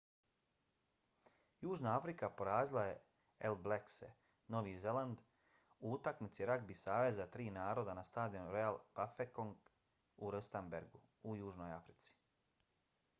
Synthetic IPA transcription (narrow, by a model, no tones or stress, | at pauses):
juːʒnaafɾikapo̞ɾaːzilˠaje | elbleksḛ | no̞ʋiːze̞lˠand̪ | uut̪akmit̪siɾakbisaːʋe̞zat̪ɾiːnaːɾo̞d̪anast̪aːd̪iomɾe̞jalˠb̥afekoŋɡ | uɾəst̪ambeɾɡu | ujuːʒno̞jafɾit̪si̥